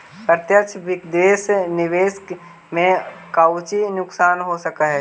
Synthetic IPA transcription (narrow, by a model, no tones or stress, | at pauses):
pɾət̪jəkt͡ʃʰʋɪkd̪eːsnɪʋeːs | mẽkaʊt͡ʃinʊksaːnɦosəkaɦɛ